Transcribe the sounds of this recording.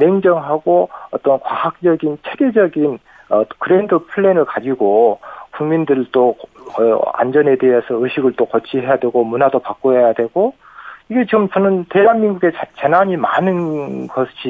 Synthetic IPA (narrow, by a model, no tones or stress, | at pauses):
meŋd͡ʑʌŋɦaɡoʌt͈ʌnkwaɦak̚t͡ɕ͈ʌɡint͡ɕʰe̞ɡe̞d͡ʑʌɡin | ʌkɯɾendɯpʰɯɭːenɯɭkad͡ʑiɡokuŋmindɯɾt͈oʌa̰nd͡ʑʌne̞de̞ɦesʰʌɯɕʰiɡɯɭt͈okʌt͡ɕʰiɦe̞jadwe̞ɡomunadopak͈oɦejadwe̞ɡo | iɡe̞t͡ɕiɡɯmt͡ɕʌnɯnte̞ɦanminɡuɡe̞t͡ɕt͡ɕenaɲimanɯnɡʌɕi